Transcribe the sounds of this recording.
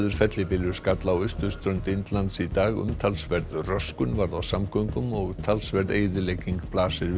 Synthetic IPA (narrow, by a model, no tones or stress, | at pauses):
ðʏɾ̥fɛt̪lɪpɪlʏɾ̥skat̪laːwʏst̪ʏst̪ɾœnt̪ɪnt̪lant̪sit̪aːɣʏ̰mt̪ʰalsvɛɾðrœskʏnvaɾðawsamkʰœŋkʏmɔɣt̪ʰalsvɛɾðeːjðɪlejciŋkplaːsɪɾ